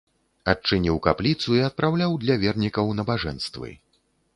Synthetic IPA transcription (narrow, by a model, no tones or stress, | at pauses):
at͡ʂɨnʲiwkaplʲit̪suiɐt̪̚pɾawlʲawd̪lʲɐvʲɛrnʲikɐwnɐbaʐɛ̰nst̪vɨ̰